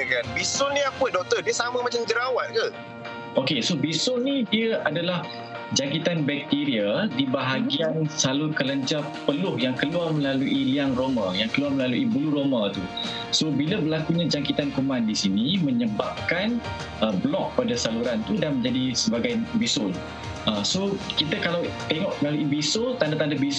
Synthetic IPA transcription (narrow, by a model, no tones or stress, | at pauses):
kanbisʊlniapʊndɔk̚t̪ədiəsamamat͡ʃamd͡ʒəɾawat̪̚kə | okesobisʊnidiəʔadalah | d͡ʒaŋkit̪anbɛk̚t̪iɾiadibaɦaɡiansalʊrkələɲd͡ʒa | pəlʊhjaŋkəluarmə̃laluʔiliaŋromajaŋkəluarməlaluʔibuluɾomat̪u | sobiləbəlakuɲãd͡ʒaŋkit̪ankomãndisinimə̃ɲəbap̚kan | əblɔk̚padasaluɾant̪udanmə̃ɲd͡ʒadisəbaɡajbisʊl | əsokit̪əkalawt̪eŋɔʔməlaluibisot̪andat̪andabis